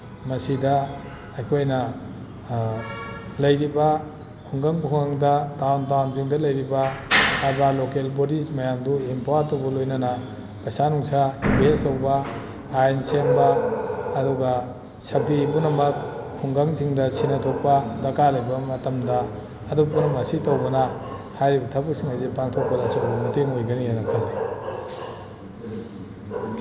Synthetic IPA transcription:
mɐsidɐ | ɐjkʰojnɐ | lɐjɾibɐ | kʰuŋɡaŋkʰuŋɡaŋdɐdawntawnziŋdɐlɐjɾibɐː | balokelbodismɐjamduimpowaɾtɐwbɐlojnɐnɐ | pɐsanuŋsainbʱestɐwbɐ | ajnsembɐː | duɡɐ | sɐp̚dipunɐmɐkkʰuŋɡaŋsiŋdɐsinɐtʰok̚pɐdɐkalɐjbɐmɐtɐmdɐː | dupunɐmɐsitɐwbɐnɐ | hajɾibɐtʰɐbɐk̚siŋajzepaŋtʰok̚pɐdɐsowbɐmuteŋojɡɐnijajnɐkʰɐŋli

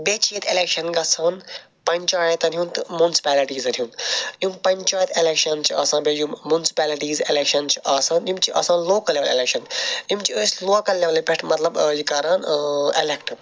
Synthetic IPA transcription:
bʲeːt͡ʃʰiːt̪ʰelekʃɐnɡɐsaːn | pɐnʲt͡ʃaːjɐt̪ɐnijunt̪ɨmunsi̥pæːliʈiːzɐnʲjunjimpɐnʲt͡ʃaːjɐt̪ʰelekʃɐnt͡ʃʰiaːsãːbʲejummunsi̥pʲæːliʈiːzelekʃɐnt͡ʃʰiʔaːsãːnimt͡ʃʰiʔɐ̰sãːnloːkɐlʲeʋaːlelekʃɐnimt͡ʃiəːsʲloakɐlːeʋlipʲeʈʰmɐt̪lɐbjikɐːɾaːnelekʈ

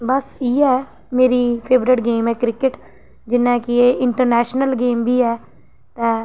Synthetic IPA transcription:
bəsiːɛː | meːɾiːpʰeːbɾɪʈɡeːmɛːkɾɪkɪʈ | d͡ʒɪnːɛ̃ːkɪeːɪɳʈəɾnɛːʃnəlɡeːmbiːɛː | t̪ɛ̃ː

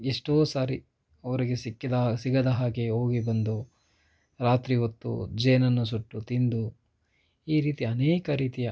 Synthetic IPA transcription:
eʂʈoːsaːɾi | ɐʋɐɾiɡesikːid̪ɐsiɡɐd̪ɐɦaːɡeɦo̞ːɡibɐnd̪u | ɾaːt̪ɾiɦot̪ːṵd͡ʒeːnɐnːusuʈːut̪ind̪u | iːɾiːt̪iɐneːkɐɾiːt̪ijɐ

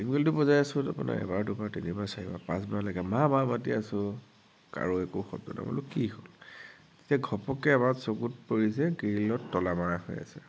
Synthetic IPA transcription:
iŋɡeltʊpɔzajasʊ̃tapuna̰ɛ̰baɹdʊpatinibasaɹiba̰pãsbɔnalaɡɛmamamatiasʊ̃ | ka̰ɹuɛkoxɔ̰bdɔ̰da̰mɔ̰lʊkihol | zi̥tiaɡʱɔpɔkɛːbatsokut̚poɹis̬ɛkiilɔtːɔlamaɹahɔ̰ja̰sɛ̰

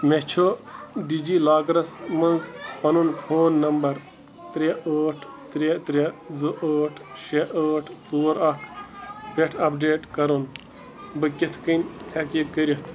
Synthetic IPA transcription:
meht͡ʃʰoɖid͡ʒiːlaːɡɾɐsmɐnzpɐnunkʰoːnːɐmbɐɾ | t̪ɾʲeʔəːʈʰ | t̪ɾet̪ɾʲezɨʔəːʈʰʃeʔəːʈʰt͡soːɾɐʈʰpeʈʰɐpɖeːʈkɐɾun | bɨkʲit̪ʰkəntʰekikːəɾit̪ʰ

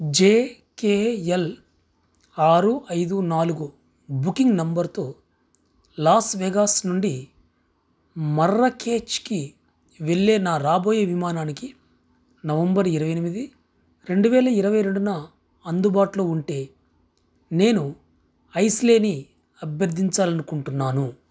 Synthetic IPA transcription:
d͡ʒeː | keːel | aːɾuʔɐjd̪unaːluɡu | bukiŋɡnɐmbɐɾt̪o̞ː | laːsʋeːɡaːsnuɳɖi | mɐrːɐke̞ːt͡ʃki | ʋe̞ɭːeːnaːɾaːboːjɐʋimaːnaːniki | nɐʋɐmbɐɾiɾɐʋɐjɐnimid̪i | ɾe̞ɳɖuʋɛːlɐiɾɐʋɐjɾe̞ɳɖunɐ | ɐnd̪ubaːʈulo̞ːuɳʈe̞ː | ne̞ːnu | ɐjsleːni | ɐbjɐɾd̪ʱːiɲt͡ʃaːlɐnukuɳʈunːaːnu

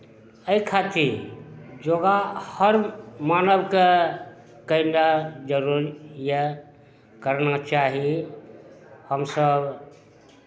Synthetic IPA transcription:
əikʰat̪iɾd͡ʒoɡahəɾmanəbke | kəinad͡ʒəɾuɾjə | kəɾnat͡ʃaɦi | həmsəb

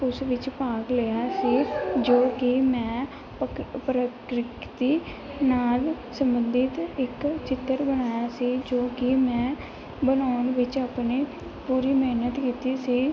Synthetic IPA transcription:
ʊsʋɪt͡ʃpaːkleːjaːsiːd͡ʒoːkɪmɛ̃ː | pɾəkɾɪkt̪iː | naːl | səmbənd̪ɪt̪ɪkt͡ʃɪt̪ːəɾbənaːjaːsiːd͡ʒoːkɪmɛ̃ː | bənaːʊnʋɪt͡ʃaːpneː | puːɾiːmeːnət̪kiːt̪iːsiː

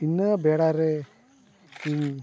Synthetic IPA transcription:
inːəbeːɽaɾe | in

